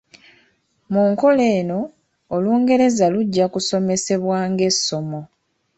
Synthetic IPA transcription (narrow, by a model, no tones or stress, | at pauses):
muːŋko̞le̞ːno̞ː | luːŋɡe̞ɾe̞zaluɟːakuso̞me̞se̞βwaːŋɡe̞so̞mo̞